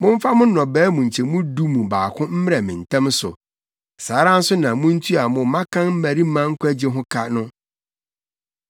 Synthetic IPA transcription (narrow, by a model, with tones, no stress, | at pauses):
mʊ̃˦ɱ˦fa˦mʊ̃˦n˦nɔ̃˨bɛː˦mũ˨ɲ̩˨t͡ɕʰɛ˨˦mũ˦du˦mũ˨baː˨kʰʊ̃˦m̩˦mɪ˦ɾa˨mɪ̃˨n˨tʰã˦msʊ˨ | saː˨˦ɾã˦n̩˦sʊ˦nã˨mũ˦n̩˦tʰu˦a˨mʊ̃˨˦mã˦kʰã˦m̩˦mæ˨ɾi˦mã˦ŋ̩˦kʰʷæ˦d͡ʑɪ˦ɦʊ̃˦kʰa˦nʊ̃˦